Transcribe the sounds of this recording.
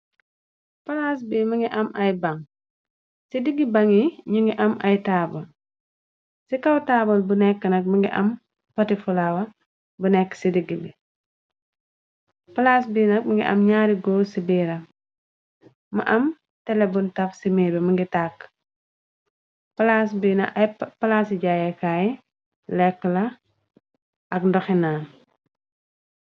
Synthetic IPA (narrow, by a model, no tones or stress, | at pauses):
pɐlas̬bimɐŋɡiʔɐmʔɐjbɐŋ | sidiɡibɐŋiɲuŋɡiʔɐmɐjtaːbɔl | sikɐwtaːbɔlbunɛkːənɐk̚mɐŋɡiʔɐ̰m | pɐtifulawɐ | bunɛkːsidiɡibi | pɐlasbiːnɐk̚mɐŋɡiʔɐ̰mɲaːɾiɡɔːsibiːɾɐ | mɐ̰ʔɐm | tɛlɛbuntɐfsimɛːbɛmɐŋɡitakː | plas̬binɐ̰pɐlasiɟaːjɛkaːji | lɛkːəlɐ | ʔɐkndɔxinaːn